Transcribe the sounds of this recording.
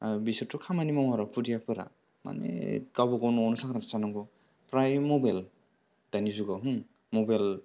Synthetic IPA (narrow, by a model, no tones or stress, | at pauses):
bisɯtʰɔkʰamanimamaɾapʰudijapʰɯɾa̰ | ma̰nḛkawbɔɡɔwnɔɔnɔsakʰɾnatasanɔŋɡɔ | pɾajmɔbajl | d̥anizuɡawɦɯŋ | mɔbajl